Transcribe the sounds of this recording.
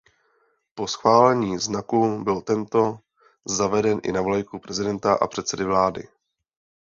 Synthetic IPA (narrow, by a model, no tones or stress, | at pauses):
po̞sxvaːlɛɲiːznakubɪlt̪ɛnt̪o̞ | zavɛdɛnʔɪ̰navlajkupɾɛzɪdɛnt̪aʔa̰pr̥ɛt̪sɛdɪvlaːdɪ̰